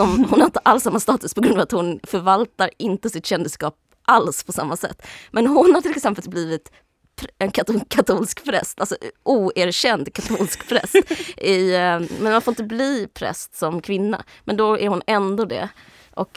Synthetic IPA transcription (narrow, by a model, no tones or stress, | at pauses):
ɔmhʊnhaɾɪnt̪əʔalːsamːast̪ɑːt̪ɵspʰɔɡɾɵnɑːvat̪hʊnfœɾvalt̪aɾɪnt̪əsɪt̪ɕɛnd̪ɪskɑːp̚ | ʔalspʰɔsamːasɛ̰t̪ːmɛnɦʊnhaɾʈ̪ʰɪlɛksɛnpəlbliːvɪt̪ | pʰɾɛnkʰakʰat̪ʰuːlskpʰɾɛ̰st̪alsɔʔuːæɾɕɛnd̪kʰat̪ʰuːlskpʰɾɛ̰st̪ʔɪmɛnmanfoːɾɪnt̪əbliːpʰɾɛ̰st̪sɔmkʰvɪnːa̰mɛnd̪ɔæɾhʊnɛnd̪od̪ɛ̰ | ʔɔk